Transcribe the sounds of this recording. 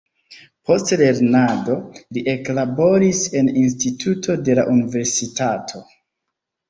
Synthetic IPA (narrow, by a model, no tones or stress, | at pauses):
po̞stle̞ɾnado̞liʔe̞klabo̞ɾise̞ninstitʰutʰo̞de̞la̰ʔunive̞ɾsitatʰo̞